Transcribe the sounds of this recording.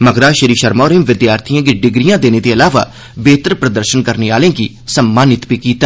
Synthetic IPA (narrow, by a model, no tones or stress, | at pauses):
məɡɾaːʃəɾiːʃəɾmaːɾẽːmʋɪd̪jaːɾt̪ʰijãːɡiɖɪɡɾijãːd̪eːneːt̪eːəlaːʋa̰ː | beːt̪ɾpɾəd̪əɾʃənkəɾneːaːlẽːɡḭː | səmːaːnɪt̪piːkiːt̪aː